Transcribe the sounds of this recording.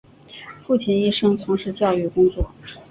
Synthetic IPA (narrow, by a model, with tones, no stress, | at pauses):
fu˥˩t͡ɕʰi˧˥˩ni˥˩ʂɤ˥ŋt͡sʰʊ˧˥ŋʂɻ̩˧˥t͡ɕjɑ˥˧ʊy˥˩kʊ˥ŋt͡swɔ˥˩